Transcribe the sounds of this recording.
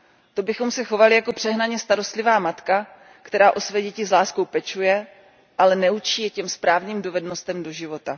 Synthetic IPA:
t̪o̞bɪxo̞msɛxo̞valɪjako̞pr̝̥ɛɦnaɲɛst̪aɾo̞st̪lɪvaːmat̪ka | kt̪ɛɾaːʔo̞svɛːɟɛcɪzlaːskowpɛt͡ʃujɛ | ʔalɛnɛut͡ʃiːjɛcɛmspɾaːvniːmdovɛdno̞st̪ɛmdo̞ʒɪvo̞t̪a

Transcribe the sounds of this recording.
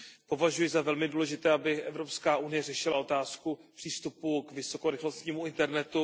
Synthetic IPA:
po̞vaʒujɪzavɛlmɪduːlɛʒɪt̪ɛːabɪʔɛvɾo̞pskaːʔunɪjɛrɛʃɪlao̞t̪aːskupr̥iːst̪upukvɪso̞ko̞ɾɪxlost̪ɲiːmuɪnt̪ɛɾnɛt̪u

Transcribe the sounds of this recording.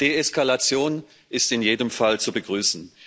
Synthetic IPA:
d̥eːɛskalat͡sjoːn | ʔɪstɪnjeːdəmfalt͡subəɡʁyːsn̩

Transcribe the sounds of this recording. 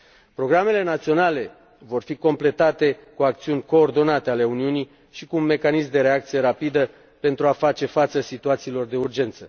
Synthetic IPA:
pɾo̞ɡɾame̞le̞nat̪sio̞nale̞ | vo̞rfiko̞mple̞t̪at̪e̞kuak̚t̪siunʲko̞ːrd̪o̞nat̪e̞ale̞uniuni | ʃikuunme̞kanismd̪e̞ɾe̞ak̚t̪sije̞ɾapid̪ə | pe̞nt̪ɾuafat͡ʃe̞fat̪səsit̪uat̪siːlo̞rd̪e̞urd͡ʒe̞nt̪sə

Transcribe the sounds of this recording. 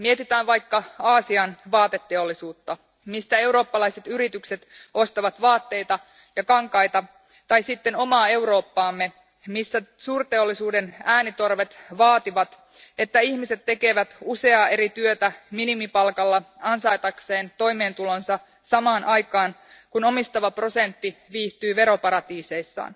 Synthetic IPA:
miet̪it̪æːnʋɑjkːɑɑːsiɑnʋɑːt̪e̞t̪ːeo̞lːisuːt̪ːɑ | mist̪æe̞wɾo̞ːpːɑlɑjset̪yɾit̪ykse̞t̪ʔo̞st̪ɑʋɑt̪ʋɑːt̪ːe̞jt̪ɑ | jɑkɑŋkɑjt̪ɑ | t̪ɑjsit̪ːe̞no̞mɑːe̞wɾo̞ːpːɑːmːe̞ | misːæsuːrt̪e̞o̞lːisuːde̞næːnit̪o̞rʋe̞t̪ʋɑːt̪iʋɑt̪ | e̞t̪ːæiçmise̞t̪ːe̞keʋæt̪use̞ɑːe̞ɾit̪yøt̪æminimipɑlkɑlːɑɑnsɑjt̪ɑkse̞ːnt̪o̞jme̞ːnt̪ulo̞nsɑ | sɑmɑːnʔɑjkɑːn | kuno̞mist̪ɑʋɑpro̞se̞nt̪ːiʋiːht̪yːʋe̞ɾopɑɾɑt̪iːse̞jsːɑ̰ːn

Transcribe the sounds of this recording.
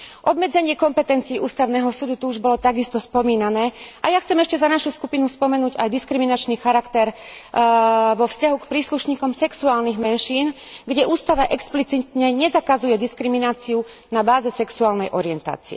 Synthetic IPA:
ʔɔb̪mɛd͡zɛɲɪɛkɔmpɛt̪ɛnt͡siːuːst̪aʊnɛːɦɔsuːd̪ut̪uuʒbɔlɔt̪aɡist̪ɔspɔmiːnanɛːʔajaxt͡sɛmɛʃcɛzanaʃuskupinuspɔmɛnuːɟa̰jd̪iskɾiminat͡ʃniːxaɾakt̪ɛɾ | ʋɔfscaɦukpɾiːsluʃɲiːkɔmsɛksuaːlniɣmɛnʃiːn | ɡɟɛʔuːst̪aʋaʔɛksplit͡sit̪ɲɛɲɛzakazujɛd̪iskɾiminaːt͡siu | nabaːzɛsɛksuaːlnɛjʔɔɾɪɛnt̪a̰ːt͡siɛ̰

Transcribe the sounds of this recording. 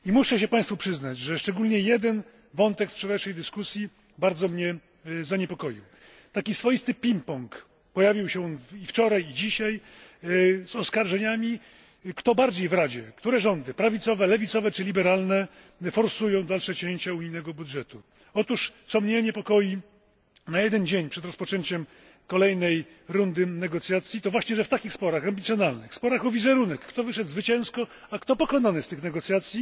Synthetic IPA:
imuʂɛɕ̬ɛpãj̃st̪fupʂɘznad͡ʑʐɛʂt͡ʂɛɡulɲɛjɛd̪ɛn | vɔnt̪ɛkspʂɛɾaʂɛjd̪ɘskusʲji | baɾd̪zɔmɲɛ | zaɲɛpɔkɔjḭw | t̪akʲisfɔjist̪ɘpʲimpɔŋk | pɔjavʲiwɕɛnift͡ʂɔɾajid͡ʑiɕaj | zɔskaɾʐɛɲamʲi | kt̪ɔbaɾd͡ʑejvɾad͡ʑɛkt̪uɾɛʐɔnd̪ɘpɾavʲit̪sɔvɛlɛvʲit̪sɔvɛt͡ʂɘlʲibɛɾalnɛ | fɔɾsujɔ̃w̃d̪alʂɛt͡ɕẽɲt͡ɕauɲijnɛɡɔbud̪ʐɛt̪u | ɔt̪uʂt̪sɔmɲejɲɛpɔkɔji | najɛd̪ɛnd͡ʑeɲpʂɛd̪ɾɔspɔt͡ʂɛɲt͡ɕɛm | kɔlɛjnɛj | ɾund̪ɘnɛɡɔt̪sʲjat̪sʲjit̪ɔvwaɕɲɛʐɛft̪akʲixspɔɾaxambʲit̪sʲjɔnalnɘxspɔɾaxɔvʲizɛɾunɛkːt̪ɔvɘʂɛd̪zvɘt͡ɕɛ̃w̃skɔakt̪ɔpɔkɔnanɨst̪ɘxnɛɡɔt̪sʲjat̪sʲji

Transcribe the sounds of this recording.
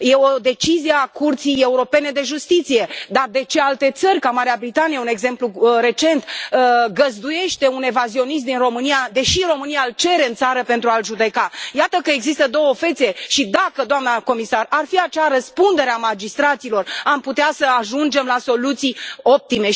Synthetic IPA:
je̞o̞d̪e̞t͡ʃizijeakurt̪sije̞uɾo̞pe̞ne̞d̪e̞ʒust̪it̪sije̞d̪ard̪e̞t͡ʃe̞alt̪e̞t̪sərʲkamaɾeabɾit̪anijeune̞ɡze̞mpluɾe̞t͡ʃe̞nt̪əɡəzd̪uje̞ʃt̪e̞une̞vazio̞nis̬t̪d̪inro̞mɨnijad̪e̞ʃiɾo̞mɨnijaɨlt͡ʃe̞ɾe̞ɨnt̪saɾəpe̞nt̪ɾualʒud̪e̞kajat̪əkəe̞ɡzist̪əd̪o̞wəfe̞t̪see̞ʃid̪akəd̪oamnəko̞misararfiat͡ʃaɾəspund̪e̞ɾeamad͡ʒist̪ɾat̪silo̞ramput̪easəaʒund͡ʒe̞mlaso̞lut̪sijo̞p̚t̪ime̞

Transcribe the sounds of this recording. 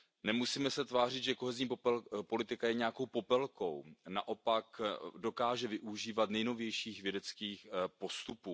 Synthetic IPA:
nɛmusiːmɛsɛt̪vaːrɪt̪ʒɛko̞ɦɛzɲiːpo̞lɪt̪ɪkajɛɲɛako̞wpo̞pɛlko̞̰wna̰ʔo̞pakdo̞kaːʒɛvɪʔuʒiːvat̪nɛjno̞vjɛjʃiːxvjɛdɛt͡skiːxpo̞st̪upuː

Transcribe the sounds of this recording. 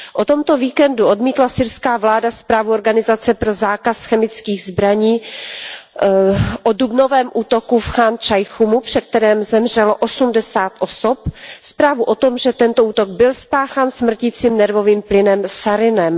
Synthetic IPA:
ʔot̪o̞mt̪o̞viːkɛnduʔo̞dmiːt̪lasɪɾskaːvlaːdaspɾaːvuoɾɡanɪzat͡sɛpɾo̞zaːkasxɛmɪt͡skiːɣzbɾaɲiː | ʔodubno̞vɛːmʔuːt̪o̞kufxaːnt͡ʃajxumupr̝̥ɛk̚t̪ɛɾɛːmzɛmr̝ɛloʔosumdɛsaːt̪ʔosopspɾaːvuʔo̞t̪o̞mʒɛt̪ɛnt̪oʔuːt̪oɡ̚bɪlspaːxaːnsmr̩cit͡siːmnɛɾvo̞viːmplɪnɛmsaɾɪnɛm

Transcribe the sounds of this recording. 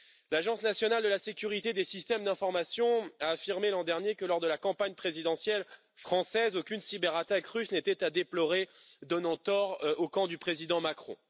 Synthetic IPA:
laʒɑ̃snasjɔnald̪əlasekʲyʁit̪ed̪esist̪ɛmd̪ɛ̃fɔʁmasjɔ̃aːfiʁmelɑ̃d̪ɛʁnjekəlɔʁd̪əlakɑ̃paɲpχezid̪ɑ̃sjɛl | fχɑ̃sɛzokʲynsibɛʁat̪akʁysnet̪ɛt̪ad̪eplɔʁed̪ɔnɑ̃t̪ɔʁokɑ̃d̪ypχezid̪ɑ̃makχɔ̰̃

